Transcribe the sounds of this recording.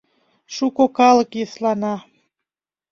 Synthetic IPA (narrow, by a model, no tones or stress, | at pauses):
ʃukokɑlɤkjəslɑnɑ